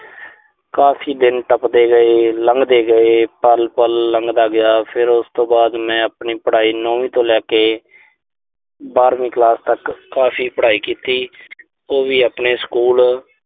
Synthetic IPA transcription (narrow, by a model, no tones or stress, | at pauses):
kaːpʰiːd̪ɪnʈəpd̪eːɡəeːləŋɡd̪eːɡəeːpəlpəlːəŋɡd̪aːɡɪjaːpʰɪɾʊst̪õːbaːd̪mɛ̃ːəpniːpəɽaːiːnoːʋĩːt̪õːlɛːkeː | baːɾmĩːklaːst̪əkːaːpʰiːpəɽaːiːkiːt̪iː | oːʋiːəpneːskuːl